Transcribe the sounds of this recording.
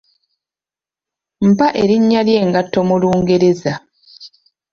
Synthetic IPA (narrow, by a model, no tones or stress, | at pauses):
m̩paʔe̞ɾiɲːalje̞ːŋɡatːo̞muluːŋɡe̞ɾe̞za